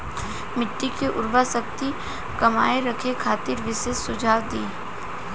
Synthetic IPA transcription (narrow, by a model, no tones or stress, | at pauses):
mɪʈːikeʔʊɾbasək̚t̪i | kɐma̰ːeɾɐkʰekʰaːt̪ɪɾʋɪsesʊd͡ʒʱaːʋd̪iː